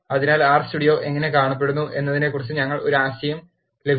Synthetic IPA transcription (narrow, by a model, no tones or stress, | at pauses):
ɐðinaːlaːrstuɽijo̞ːʔe̞ŋːɐne̞kaːɳɐp̬ːe̞ɽunːuʔe̞̰nːɐðine̞kːurit͡ɕːɨɲɐŋːɐɭo̞ɾuaːɕɐjɐm | le̞bʱ